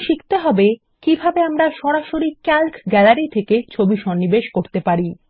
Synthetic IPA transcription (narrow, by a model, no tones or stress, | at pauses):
ʃikt̪eɦɔbe | kibʱabeamɾaʃɔɾaʃoɾikɛlkɡɛlaɾit̪ʰeket͡ɕʰobiʃɔnːibeʃkoɾt̪epaɾi